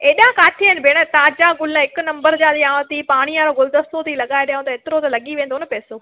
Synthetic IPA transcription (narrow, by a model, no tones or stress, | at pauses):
eːɗãkaːʈʰiɪnɪbʱeːɽ̃ət̪aːd͡ʑaɡʊlɦɪkʊnɐ̃mbəɾd͡ʑãːd̪iãːt̪ipaːɽ̃iãɾoɡʊld̪əst̪ot̪ʰilɐɠaːeɗɐjʊ̃t̪ɐeːt̪ɪɾot̪ɐlɐɠiʋẽːnd̪onɐpɛːsoː